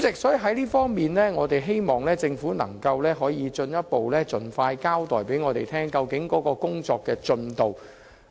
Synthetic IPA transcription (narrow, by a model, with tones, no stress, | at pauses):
t͡sɪ˨k̚sɵ˨˥ɦɐ˨˥jliː˥fɔː˥ŋmiː˨nlɛː˥ŋɔː˨˧t̪e˨jɦe˥jmɔː˨ŋlɛː˥t͡sɪ˧ŋfuː˨˥nɐ̰˨˩ŋkɐ˧wlɛː˥ɦɔː˨˥jiː˨˧t͡ʃɵ˧njɐ˥t̚po˨wlɛː˥t͡sɵ˨˧nfaː˧jkaː˥wt̪ɔː˨˩jpe˨˥jŋɔː˨˧t̪e˨jt̪ʰɛː˥ŋkɐ˧wkɪ˨˥ŋkɔː˨˥kɔː˧kʊ˥ŋt͡sɔː˧kːɛː˧t͡sɵ˧nt̪o˨w